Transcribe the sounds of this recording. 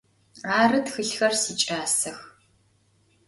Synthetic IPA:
aːrɨtxɨɬxɐrsiːt͡ʃʼaːsɐx

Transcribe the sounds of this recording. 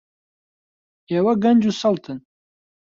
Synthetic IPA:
ewɐɡɐnd͡ʒusɐlt̪ʰɨn

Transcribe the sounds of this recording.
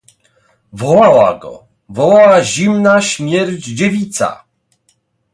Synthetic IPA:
vɔwawa̰ɡɔ̰ | vɔwawaʑimnaɕmʲjɛɾd͡ʑd͡ʑevʲit̪sa̰

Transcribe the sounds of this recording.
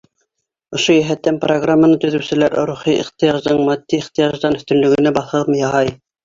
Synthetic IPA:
ŏʃojæɦæt̪ːæmproɡramːanɤt̪ɵ̆ðɵ̆wsɘ̆læɾɾuχiʔḭχt̪ɤ̆jɑʒd̪ɤɴmɑd̪ːiiχt̪ɤ̆jɑʒd̪ɑnɵ̆θt̪ɵ̆lɵ̆ɡɘ̆næbɑθɤ̆mjɑʁɑj

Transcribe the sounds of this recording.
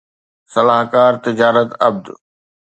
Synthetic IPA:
sɐlaːɦkaːɾt̪ɪd͡ʑaːɾət̪ɐb̚d̪

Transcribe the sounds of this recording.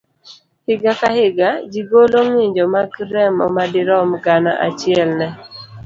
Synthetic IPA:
hɪɡakahɪɡad͡ʒiɡoloŋwiɲd͡ʒɔmaɡɾɛmɔ̰madɪɾɔmɡana̰ʔa̰t͡ʃɪɛlnɛ

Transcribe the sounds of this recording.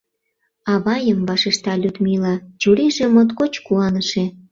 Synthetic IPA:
ɑβɑjəmbɑʃeʃt̪ɑlʲud̪milɑt͡ɕuɾiʒĕmot̪kot͡ɕkuɑnəʃe

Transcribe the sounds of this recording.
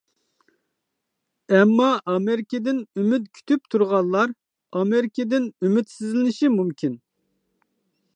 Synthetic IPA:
ɛmːɑʔɑmeɾɪkʲɪd̪ɪnymyt̪̚kʲʰy̥t̪ʰyp̚t̪ʰuɾʁɑlˠːɑɾ | ɑmeɾɪkʲʰɪd̪ɪnymyt̪sizlɪnɪʃimumkʲʰin

